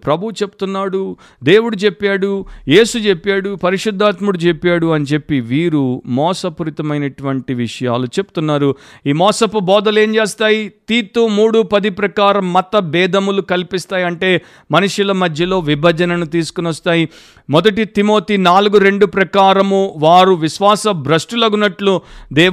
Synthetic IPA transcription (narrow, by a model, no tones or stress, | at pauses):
pɾɐbʱut͡ʃe̞pu̥t̪unːaːɽu | d̪e̞ːwuɽut͡ʃe̞pːaːɽuje̞ːsut͡ʃepːaːɽupɐɾiʂud̪ʱːaːt̪muɽut͡ʃepːaːɽuɐnit͡ʃe̞pːiʋiːɾumɔːsɐpuɾit̪ɐmɐjnɐʈuʋɐɳʈiʋiʂɐja̰ːlut͡ʃe̞bu̥t̪unːaːɾuiːmɔːsɐpubɔːd̪ɐle̞ːmt͡ʃe̞ːst̪aːjit̪iːt̪umuːɽupɐd̪ipɾɐkaːɾɐmːɐt̪ːɐbɛːd̪ʱɐmulukɐlpist̪aːjiɐɳʈe̞ː | mɐnuʂjulɐmɐd̪ʱjɐlo̞ːʋibʱɐd͡ʒɐnɐnut̪iːsu̥kunʋɐst̪aːji | mɔd̪ɐʈit̪imo̞ːt̪inaːluɡuɾe̞ɳɖupɾɐkaːɾɐmuʋaːɾuʋiʃʋaːsɐbɾɐsʈulɐɡunɐʈlud̪ɛː